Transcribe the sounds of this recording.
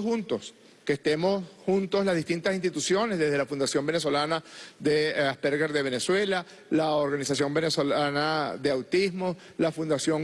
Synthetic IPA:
unt̪o̞s | kest̪e̞mo̞shunt̪oslazðihst̪int̪asinst̪it̪usjo̞nezðe̞zðe̞lafund̪asjo̞mbe̞neso̞lanaðeaspeɾɣeɾðe̞βeneswe̞la | laoɾɣanisasjo̞mbe̞nesolanaðeawt̪ismo̞s | lafund̪asjoŋ

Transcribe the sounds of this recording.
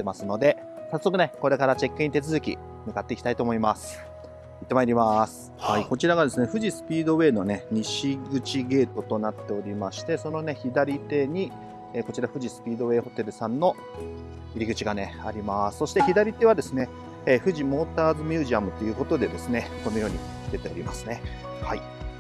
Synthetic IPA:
t̪ːe̞masɨno̞d̪e̞ | sasːokɯ̟ne̞ko̞ɾe̞kaɾat͡ɕe̞kːɯ̟ɲ̟it̪e̞t͡sɨzɨkʲḭ | mɯ̟kat̪ːe̞ikʲi̥t̪ait̪o̞ːmo̞imasɨ̥ | it̪ːe̞maiɾʲimasɨ̥ | haiko̞t͡ɕiɾaɡad̪e̞sɨne̞ɸɯ̟ʑisɨ̥pʲiːd̪o̞βe̞ːno̞ne̞ɲ̟iɕiɡɯ̟t͡ɕiɡe̞ːt̪o̞t̪o̞nat̪ːe̞o̞ɾʲimaɕi̥t̪e̞so̞no̞ne̞çid̪aɾʲit̪e̞ɲ̟i | eːko̞t͡ɕiɾaɸɯ̟ʑisɨ̥pʲiːd̪o̞βe̞ːho̞t̪e̞ɾɯ̟sãnːo̞ | iɾʲiɡɯ̟t͡ɕiɡane̞aɾʲimasɨ̥so̞ɕi̥t̪eçid̪aɾʲit̪e̞βad̪e̞sɨne̞ | eːɸɯ̟ʑimo̞ːt̪aːzɨmʲjɨːʑiamɯ̟t̪ːo̞jɯ̟ːko̞t̪o̞d̪e̞d̪e̞sɨne̞ko̞nːo̞jo̞ːɲ̟ḭ | d̪e̞t̪e̞o̞ɾʲima̰sɨ̥ne̞ | hai

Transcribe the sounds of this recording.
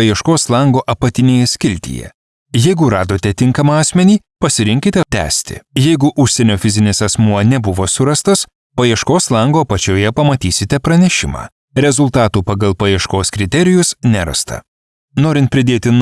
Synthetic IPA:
ɐjiɛʃkoːslˠɐŋɡoːʔɐpɐt̪ʲɪnʲeːjɛsʲkʲɪlʲt̪ʲḭːjɛ̰ | jɛɪɡʊɾɑːd̪oːt̪ʲɛt̪ʲɪŋkɐmɐɑːsʲmʲɛnʲiː | pɐsʲɪɾʲɪ̃ŋʲkʲɪt̪ʲɛt̪ʲæ̰ːsʲt̪ʲɪ̰jɛɪɡʊʔʊʃʲsʲɛnʲoːfʲɪzʲɪnʲɪsɐsmuɔnʲɛbʊʋoːsʊɾɐst̪ɐs | pɐjiɛʃkoːslˠɐŋɡoːpɐt͡ʃʲoːjɛpɐmɐt̪ʲiːsʲɪt̪ʲɛpɾɐnʲɛʃʲɪmɑ̰ː | ɾʲɛzʊlˠt̪ɑːt̪uːpɐɡɐlˠpɐjiɛʃkoːskɾʲɪt̪ʲɛɾʲɪjʊsnʲɛɾɐ̰st̪ɐ̰ | noːɾʲɪnt̪pʲɾʲɪd̪ʲeːt̪ʲɪn

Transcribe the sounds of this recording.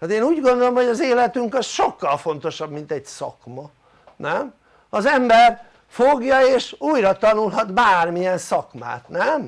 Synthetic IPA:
haːt̪eːnuːɟɡond̪o̞lomho̞ɟɒzeːlɛt̪yŋkɒsʃo̞kːɒlfo̞n̪t̪o̞ʃɒbmint̪ɛɟsɒ̰kmɒ | nɛm | ɒzɛmbɛr | foɡjɒeːʃuːjrɒt̪ɒnulɦɒd̪baːrmijɛnsɒkma̰ːt̪nɛm

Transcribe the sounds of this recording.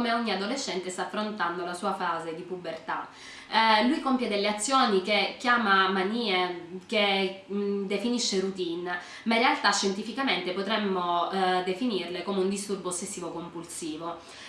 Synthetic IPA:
omeɔɲːiad̪oleʃːɛnt̪est̪aːfːɾont̪and̪olasuːafaːzed̪ipubert̪a̰ | lujkompjed̪elːeat̪sːjoːnikekːjaːmamaniːeke | d̪efiniʃːeɾut̪in | mairːealt̪aʃːent̪ifikament̪epot̪ɾɛmːod̪efinirlekoːmeund̪ist̪urboːsːesːiːvokompulsiːvo

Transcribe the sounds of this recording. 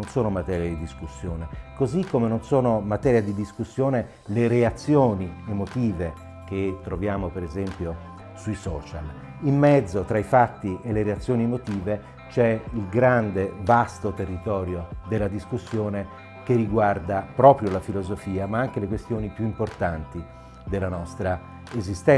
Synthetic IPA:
onsoːnomat̪ɛːɾjad̪id̪iskusːjoːnekozikːomenonsoːnomat̪ɛːɾjad̪id̪iskusːjoːne | leɾeat̪sːjoːniemot̪iːve | k̟et̪ːɾovjaːmopeɾezɛmpjo | suisɔːt͡ʃa̰l | imːɛd̪zːot̪ɾaifat̪ːiʔeleɾeat̪sːjoːniemot̪iːve | t͡ʃɛilɡɾand̪evast̪ot̪erːit̪ɔːɾjod̪elːad̪iskusːjoːne | kerːiɡward̪apɾɔːpɾjolafilozofiːamaaŋk̟elekwest̪joːnipjuimport̪ant̪i | d̪elːanɔst̪ɾa | ezist̪ɛ

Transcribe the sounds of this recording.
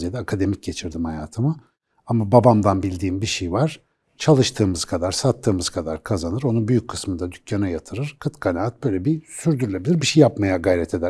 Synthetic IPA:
zjed̪ɛakʰad̪e̞mic̚ɟe̞t͡ʃʰiɾd̪imhajaːt̪ʰɯma | amababamd̪anbilʲd̪iːmbiʃejvaɾ̥ | t͡ʃʰalˠɯʃt̪ʰɯːmɯzkʰad̪aɾ̥sat̪ʰːɯːmɯz̥kʰad̪aɾkʰazanɯɾo̞nunbyjyc̚ʲkʰɯ̥smɯnd̪ad̪ycʰjanajat̪ʰɯɾɯɾ̥kʰɯt̪kʰanaːt̪̚b̥ø̞jlʲeɛbisyɾd̪yɾylʲe̞bilʲiɾbiʃejːapmajaɡajɾɛt̪ʰe̞d̪æ

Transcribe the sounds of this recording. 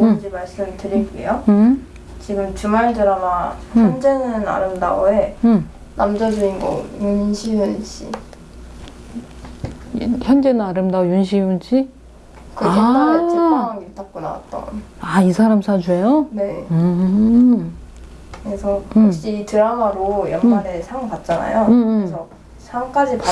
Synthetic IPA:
nd͡ʑimaɭs͈ɯmtɯɾik͈ḛjoɯ | t͡ɕiɡɯmt͡ɕumaɭdɯɾamaçjʌmnd͡ʑenɯna̰ɾɯmda̰oeɯ | na̰md͡ʑad͡ʑuinɡo̰junɕʰiunɕḭ | çjʌnd͡ʑenɯnaɾɯmdaojunɕ̬ʰiunɕʰi | kɯaɯaaɡit͈ʰak̚k͈ona̰wa̰t̚t͈ʌ̰naisʰaɾamsʰad͡ʑue̞jone̞ɯ | kɯɾesʰʌɯokɕ͈iːtɯɾaŋwaɾojʌnmaɾe̞sʰaŋpat̚t͡ɕ͈ana̰joɯmsʰʌ | t͡ɕʰamk͈ad͡ʑipa

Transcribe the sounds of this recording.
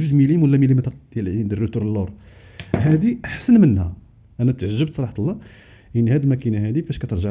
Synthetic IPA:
ʒuʒmilimwəlːæmilimit̪ɾˤd̪̥jælʕind̪ərːit̪uɾlːuɾˤhæd̪iʔaħsənmənhæ̰ | ʔænæt̪ʕʒːəb̚t̪sˤɑlˤɑħɑt̪lˤːɑ | ʔənːhæd̪lmækinaɦæd̪ifæʃkæt̪əɾˤʒəʕ

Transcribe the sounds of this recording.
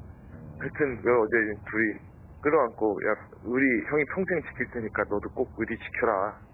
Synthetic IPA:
kaɭtʰɯnjʌɾʌd͡ʑe̞intuɾi | k͈ɯɾʌɦankʰojʔa̰k̚ɯɾiçjʌŋipʰoŋsʰeŋɯt͡ɕi̥kʰiɭt͈eɲik͈anʌduk͈oɡ̚ɯɾit͡ɕi̥kʰjʌɾa

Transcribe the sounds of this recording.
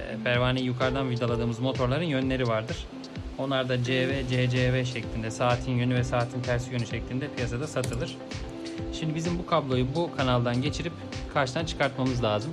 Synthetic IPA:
ɛ̰pʰæɾvaːnijukʰaɾd̪anvid̪alˠad̪ɯːmɯzmo̞t̪ʰo̞ɾlˠaɾɯnjø̞nlʲe̞ɾivaɾd̪ɯɾ̥ | o̞nlˠaɾd̪ad͡ʒeved͡ʒed͡ʒevɛʃɛclʲind̪ɛsaːt̪ʰinjønyvɛsaːt̪ʰint̪ʰæɾsijø̞nyʃɛclʲind̪ɛpʰijasad̪asat̪ʰɯlˠɯɾ̥ | ʃimd̪ibizimbukʰablˠo̞jubukʰanalˠd̪anɟe̞t͡ʃʰiɾip | kʰaɾʃt̪ant͡ʃʰɯ̥kʰaɾt̪mamɯzlʲaːzɯm

